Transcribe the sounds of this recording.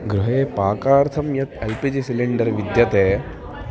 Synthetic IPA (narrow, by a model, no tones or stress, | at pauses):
ɡɾuɦeːpaːkaːɾt̪ʰɐmjɐk̪elpid͡ʒisiliɳɖɐɾʋid̪jɐt̪eː